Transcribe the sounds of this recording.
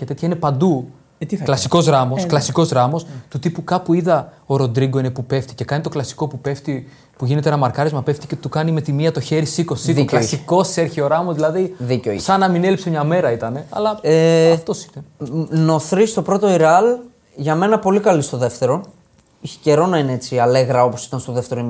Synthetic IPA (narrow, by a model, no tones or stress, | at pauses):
cet̪et̪çɐinepɐnd̪u | t̪klɐsiko̞zɣɾɐmosklɐsiko̞zɣɾɐmo̞st̪ut̪ipukɐpuiðɐoɾo̞nd̪ɾiɡo̞ine̞pupe̞ft̪i̥ce̞kɐnit̪o̞klɐsi̥ko̞pupeft̪i | puʝinet̪eenɐmɐɾkɐɾezmɐpeft̪i̥ce̞t̪ukɐnime̞t̪imiɐt̪o̞çe̞ɾisiko̞silɐsiko̞seɾçio̞ɾɐmozðilɐðiðiceoḭsɐnɐminelipsemɲɐme̞ɾɐit̪ɐne̞ɐ̰lɐeɐft̪osi̥neno̞θɾist̪o̞pɾo̞t̪o̞iɾɐl | ʝɐme̞nɐpo̞likɐlist̪o̞ðe̞ft̪e̞ɾo̞ | içe̥ce̞ɾo̞nɐineet͡siɐleɣɾɐo̞po̞si̥t̪ɐnst̪oðe̞ft̪e̞ɾoi